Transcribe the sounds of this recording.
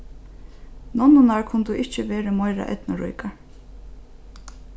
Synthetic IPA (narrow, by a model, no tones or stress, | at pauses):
nɔnːʊnaɹkʰʊnt̪uʔɪht͡ʃɪʋɛːɾɪmɔjɾa̰ʔɛ̰t̪nʊɾṵjkaɹ